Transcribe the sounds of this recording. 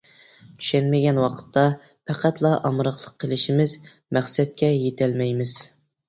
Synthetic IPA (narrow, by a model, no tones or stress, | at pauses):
t̪ʰy̥ʃɛnmɪɡʲɛnwɑqʰə̥t̪ʰːɑ | pʰæqæt̪ʰlˠɑʔɑmɾɑχlˠəqʰːəlɪʃimɪzmæχsɛt̪̚kʲɛjet̪ʰɛlmɛjmɪz̥